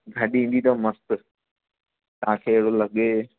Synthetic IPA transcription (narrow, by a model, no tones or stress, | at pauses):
ɡʱɐɗiĩːn̆d̪it̪ɐmɐst̪ | t̪ɐãkʰeːɦɽolɐɠeː